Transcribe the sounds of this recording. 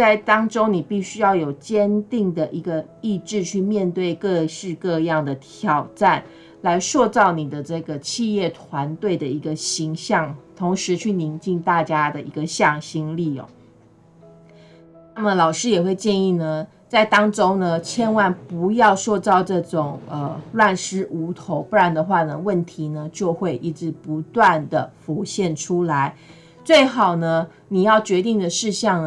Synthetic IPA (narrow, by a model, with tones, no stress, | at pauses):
t͡sa˥˩ɪt̪ɑ˥ŋʈ͡ʂo˥ʊni˨˩pi˥˩ɕy˧˥jɑ˥˩ʊjo˨˩ʊt͡ɕjɛ˥nt̪i˥˩ŋd̪ə˩ʔi˧˥ɡə˧ | i˥˧ʈ͡ʂɻ̩˥˧t͡ɕʰy˥˧mjɛ˥˧nt̪we˥˧ɪkɤ˥˧ɕɻ̩˥˧kɤ˥˧jɑ˥˩ŋd̪ə˩t̪ʰjɑ˨˩ʊʈ͡ʂa˥˩n | la˧˥ɪʂwɔ˥˧t͡sɑ˥˩ʊni˨˩d̪ə˦ʈ͡ʂɤ˥˩ɡə˩t͡ɕʰi˥˧jɛ˥˩t̪ʰwa˧˥nt̪we˥˩ɪd̪ə˩i˧˥ɡə˧ɕi˧˥ŋɕjɑ˥˩ŋt̪ʰo˧˥ŋʂɻ̩˧˦t͡ɕʰy˥˩ni˧˥ŋt͡ɕi˥˧ŋt̪a˥˩t͡ɕja˥d̪ə˨i˧˥ɡə˨ɕjɑ˥˩ŋɕi˥ŋli˥˩ɔ̰˨˦ | na˥˩mə˩lɑ˨˩ʊʂɻ̩˥jɛ˨˩xwe˥˧ɪt͡ɕjɛ˥˧ni˥˩nə˩ | t͡sa˥˩ɪt̪ɑ˥ŋʈ͡ʂo˥ŋnə˧t͡ɕʰjɛ˥nwa˥˩npu˧˥jɑ˥˧ʊʂwɔ˥˧t͡sɑ˥˧ʊʈ͡ʂɤ˥˩ʈ͡ʂʊ˨˩ŋə˩lwa˥˩nʂɻ̩˥ʔu˧˥t̪ʰo˧˥˦ʊpu˥˩ɻa˧˥nd̪ə˨xwa˥˩nə˩wə˥˩nt̪ʰi˨˧˥nə˧t͡ɕjo˥˧ʊxwe˥˧ɪʔi˥˩ʈ͡ʂɻ̩˧˥pu˧˥t̪wa˥˩nd̪ə˩fu˧˥ɕjɛ˥˩nʈ͡ʂʰu˥la˧˦ɪ | t͡swe˥˩ɪxɑ˨˩ʊnə˦ | ni˨˩jɑ˥˩ʊt͡ɕɥɛ˧˥t̪i˥˩ŋd̪ə˩ʂɻ̩˥˧ɕjɑ˥˩ŋ